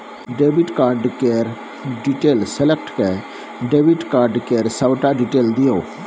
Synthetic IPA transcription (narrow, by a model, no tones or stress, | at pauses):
ɖeːbɪʈkaːɾɖkeɾ | ɖiʈeːlsɛlɛkʈkɛ | ɖeːʋɪʈkaːɾɖkeːɾsaʊʈaːɖiʈeːld̪ɪjoː